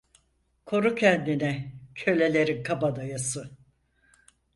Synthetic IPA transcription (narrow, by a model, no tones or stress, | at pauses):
kʰo̞ɾucʰɛnd̪inɛcʰø̞lʲe̞lʲe̞ɾinkʰabad̪ajasɯ